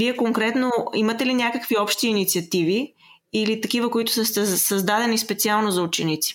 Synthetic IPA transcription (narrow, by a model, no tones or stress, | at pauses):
viɛkoŋkɾɛt̪noimɐt̪ɛlinʲakəkviɔpʃt̪iːnit̪siɐt̪ivi | ilit̪ɐkivəkoit̪ʊ̥səst̪ɛsɐzd̪ad̪ɛnispɛt̪sialˠnozɐut͡ʃɛnit̪si̥